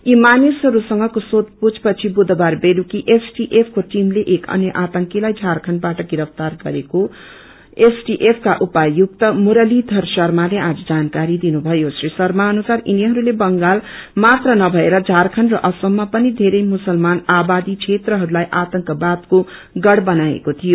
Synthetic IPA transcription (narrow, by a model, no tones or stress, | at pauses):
imanisɦʌɾusʌŋɡʌkosot̪̚put͡sʰpʌt͡sʰibud̪ʱʌbarbelukiʔesʈiʔepʰkoʈimleʔekʌ̰njʌʔat̪ʌŋkilajd͡zʱarkʰʌnbaʈʌɡiɾʌp̚ʰt̪arɡʌɾeko | esʈiʔepʰkaʔupajuk̚t̪ʌmuɾʌlid̪ʱʌrsʌrmalead͡zʌd͡zankaɾid̪inubʱʌjosrisʌrmaʌnusariniɦʌɾulebʌŋɡalmat̪rʌnʌbʱʌeɾʌd͡zʱarkʰʌnrʌʔʌsʌmːapʌnid̪ʱeɾʌjmusʌlmanabad̪it͡sʰet̪rʌɦʌɾulajʔat̪ʌŋkʌbat̪ko | ɡʌɽbʌnaḛkot̪ʰijo